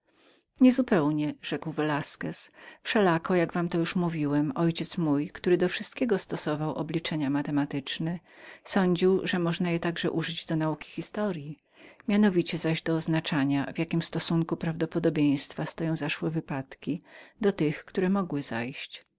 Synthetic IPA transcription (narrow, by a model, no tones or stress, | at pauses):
ɲɛzupɛwɲɛʐ̥ɛkwvɛlaskɛsfʂɛlakɔjaɡvamt̪ɔjuʂmuvʲiwɛmɔjt͡ɕɛt̪smujkt̪uɾɘd̪ɔfʂɘst̪̚kʲɛɡɔst̪ɔsɔvawʔɔ̰blʲit͡ʂɛɲamat̪ɛmat̪ɘt͡ʂnɛ | sɔɲd͡ʑiwʐɛmɔʐnajɛt̪aɡʐɛ̰ʔuʐɘd͡ʑd̪ɔnaukʲi̥xʲist̪ɔɾji | mʲjanɔvʲit͡ɕɛzaʑd̪ɔːznat͡ʂaɲavjakʲimst̪ɔsuŋkupɾavd̪ɔpɔd̪ɔbʲjej̃st̪fast̪ɔjɔ̃w̃zaʂwɛvɘpat̪kʲid̪̥ɔt̪ɘxkt̪uɾɛmɔɡwɘza̰jɕt͡ɕ